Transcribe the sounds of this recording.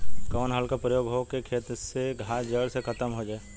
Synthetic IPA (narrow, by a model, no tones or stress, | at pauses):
kɔːnɦaːlkapɾəjoːɡɦokekʰeːt̪ɾəseɡʱad͡ʒəɽsekʰɐt̪əmɦod͡ʒaːe